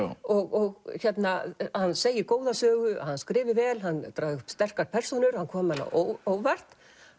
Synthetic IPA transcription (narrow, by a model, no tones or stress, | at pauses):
ɔɣɔɣçɛt̪nahanːseːjɪkoːwðasœːɣʏhanːskɾɪːvɪɾvɛːlɦanːt̪ɾaːðɪʏ̥pst̪ɛr̥kaɾpʰɛr̥sɔnʏɾ̥hankʰɔːmanːa̰oowvar̥t̪